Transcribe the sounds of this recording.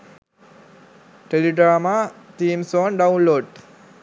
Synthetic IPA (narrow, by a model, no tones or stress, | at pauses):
ʈeliɖɾaːmat̪iːmsoːnɖaunloːɖ